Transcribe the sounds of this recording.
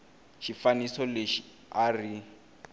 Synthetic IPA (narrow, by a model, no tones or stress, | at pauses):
ʃifanisɔleʃi | ari